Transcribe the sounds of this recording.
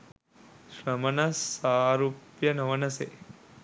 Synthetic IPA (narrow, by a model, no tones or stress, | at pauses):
ʃɾɐmɐnɐsaːɾupjɐnɐʋɐnɐse